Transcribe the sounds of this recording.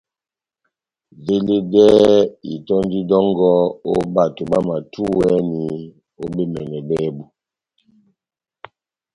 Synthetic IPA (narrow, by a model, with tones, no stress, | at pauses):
ve˦le˦dɛ˦i˨tɔ˦n˦di˦dɔ˦ŋɡɔ˦o̰˦ba˨to˨ba˦ma˨tʰu˦wɛ˦ni˨˦ | o˦be˦mɛ˨nɛ˨bɛː˦bu˦